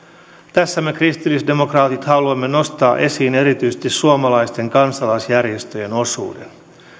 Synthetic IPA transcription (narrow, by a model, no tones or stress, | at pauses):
t̪æsːæme̞krist̪ilːisde̞mo̞krɑːt̪it̪hɑluɑmːeno̞st̪ɑːʔe̞siːne̞ɾit̪yjsest̪issuomɑlɑjst̪e̞ŋkɑnsɑlɑjsjærje̞st̪øjeno̞sṵːden